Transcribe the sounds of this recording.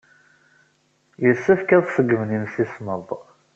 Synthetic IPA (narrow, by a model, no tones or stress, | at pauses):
jəsːæfkæðˤsəɡːəmnimsisməðˤ